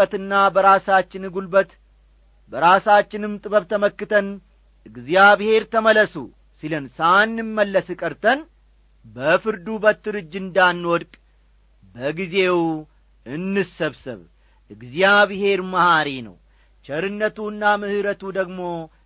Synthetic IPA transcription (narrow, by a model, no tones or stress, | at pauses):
ət̪ɨnːabəɾasat͡ʃːɪnɨɡulbət̪ | bəɾasat͡ʃːɪnɨmt̪ʼɨβəβt̪ʰəməkːɨt̪ʰən | ʔɨɡzjaβhe̞ɾt̪ʰəmələsṵ | silənsanːɨmmːəlːəsɨkʼəɾt̪ʰən | bəfɨɾd̪ubət̪ːɨɾɨd͡ʒːɨnd̪anːwɔd̪kʼ | bəɡize̞w | ɨnːɨsəβsɨ̰β | ʔɨɡzjaβhe̞ɾmahaɾinə̰w | t͡ʃɛɾɨnːət̪uɨnːamɨhɨɾət̪ud̪əɡmo̞